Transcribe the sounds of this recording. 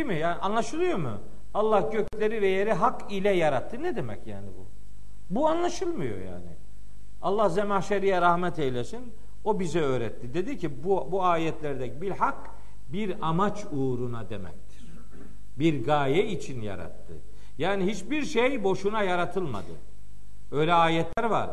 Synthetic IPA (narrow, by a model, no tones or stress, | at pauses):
cimijaːnʔanlˠaʃɯlˠɯjo̞mṵ | alˠːahɟøcʰlʲeɾivɛjeɾiɦak | ilʲɛjaɾat̪ʰːɯnɛd̪e̞mɛ̰cja̰ːnibṵ | buanlˠaʃɯlˠmɯjo̞̰ja̰ːnḭ | a̰lˠːahzɛmaʃaɾijaɾahmɛt̪ʰejlʲesin | o̞bizɛø̞ːɾɛt̪ːid̪e̞d̪icʰibubuaːjɛt̪lʲæɾd̪ɛcbiɾhak | biɾamat͡ʃ | uːɾunad̪emɛ̰c̚t̪ʰi̥ɾ̥ | biɾɡaːjɛit͡ʃʰinja̰ɾa̰t̪ʰːɯ̰ | jaːnihit͡ʃbiɾʃejbo̞ʃunajaɾat̪ʰɯlˠma̰d̪ɯ̰ | ø̞jlʲɛaːjɛt̪lʲæɾva̰ɾ